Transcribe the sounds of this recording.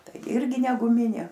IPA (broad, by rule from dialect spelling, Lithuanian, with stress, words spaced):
ˈtɐɪ ˈɪrʲɡʲɪ nʲɛ ɡʊˈmʲɪnʲeː